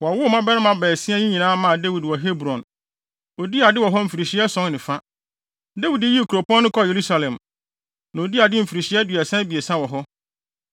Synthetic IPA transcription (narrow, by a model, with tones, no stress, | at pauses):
wɔ˨a˨wʊ˦˨mã˦bɛ˦nɪ̃˦mã˨bɛː˨sɪ̃˦ɛ̃˦ɲĩ˦ɲĩ˨nãː˦mã˦˨de˦wi˨dwɔ˨ɦe˦bɾɔ̃˨n | o˨di˦a˨dɪ˦wɔ˨ɦɔ˦m̩˨fi˨ɾi˨ɕi˨˦ɛ˦sɔ̃˦ŋnɪ̃˨fã˦ | de˦wi˨de˦ji˦˨kʰu˨ɾo˨pɔ̃˦nː˦ʊ̃˦kʰɔ˦˨je˨ɾu˦sa˦lɛ̃˨m | nã˨o˨di˦a˨dɪ˦m̩˨fi˨ɾi˨ɕi˨˦ɛ˦du˨ɛ˨sɛ̃˦bi˨e˨sã˦wɔ˨ɦɔ˦